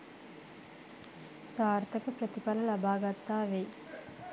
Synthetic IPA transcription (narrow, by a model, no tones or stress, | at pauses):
saːrt̪əkəpɾət̪ipaləlabaːɡat̪ːaːʋe